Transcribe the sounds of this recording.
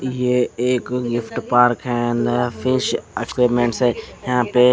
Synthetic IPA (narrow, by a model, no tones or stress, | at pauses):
ɪɦeeːkɡɪfʈpaːɾkʰɛnfɪʃekʋeːɾmẽːɳʈsjãːpe